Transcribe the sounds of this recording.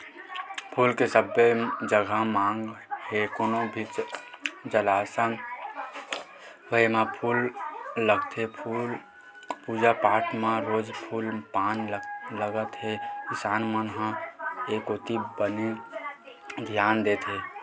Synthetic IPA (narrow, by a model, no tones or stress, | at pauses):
pʰuːlkesəbed͡ʒəɡʱamãːŋɡhekonõbʱit͡ʃ | d͡ʒəlasa | ɦoemãpʰuːlːəɡt̪ʰe | puːd͡ʒapaːʈʰmãɾoːd͡ʒpʰuːlpaːnləɡət̪ɦekɪsaːnmənɦãekot̪ibəne | d̪ʱjaːnd̪eːt̪ɦe